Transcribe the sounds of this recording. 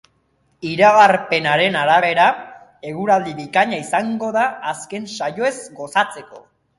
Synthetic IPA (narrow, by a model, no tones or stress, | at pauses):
iɾaɣaɾpe̞naɾe̞naɾaβe̞ɾa | e̞ɣuɾald̪iβikaɲaisaŋɡo̞ðaːske̞nsajo̞e̞zɡo̞sat͡se̞ko̞̰